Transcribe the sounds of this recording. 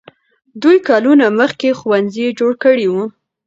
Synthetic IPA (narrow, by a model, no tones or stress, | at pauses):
d̪ujkɑlunaməxkexwanzid͡ʒoɽkəɽiwu